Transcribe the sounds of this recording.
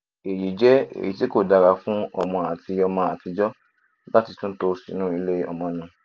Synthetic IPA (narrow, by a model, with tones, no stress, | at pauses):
e˨ji˨d͡ʒɛ˨˦ḛ˨ji˨ti˨˦ko˦˨da˨˧ɾa˨fũ˦ɔ̰˧mɔ̃˧a˨ti˧ɔ˧mɔ̃˧a˨ti˧d͡ʒɔ˦ | la˦ti˧tũ˦to˧si˨˦nũː˦i˧le˦ɔ̰˧mɔ̃˧nũ˨˧